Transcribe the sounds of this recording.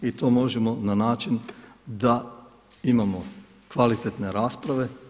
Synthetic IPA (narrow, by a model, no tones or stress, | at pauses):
it̪o̞ːmo̞ʒemo̞nanaːt͡ʃind̪a | imamo | kʋalit̪et̪ne̞ɾaːspɾaʋe̞